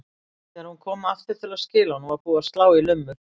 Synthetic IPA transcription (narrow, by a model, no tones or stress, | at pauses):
θɛːaɾhunkʰɔːmaft̪ɪɾ̥t̪ʰɪɾlascɪːlanuvaɾpuːasklaːwilʏmːʏ